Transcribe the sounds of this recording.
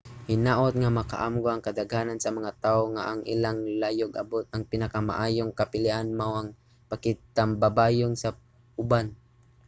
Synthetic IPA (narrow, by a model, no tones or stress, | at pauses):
hɪnaʔʊt̪̚ŋamaka̰ʔamɡoaŋkad̪aɡanansamaŋat̪aːoŋaʔaŋʔilaŋlajʊɡʔa̰bʊt̪̚aŋpɪnakama̰ʔaːjʊŋkapɪliʔanmawaŋ | pakɪt̪ambabaːjʊŋsa | ʊban